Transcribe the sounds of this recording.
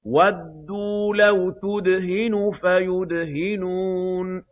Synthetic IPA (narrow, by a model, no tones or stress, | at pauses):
wad̪ːulawt̪ʊd̪ɦɪnufajʊd̪ɦɪnun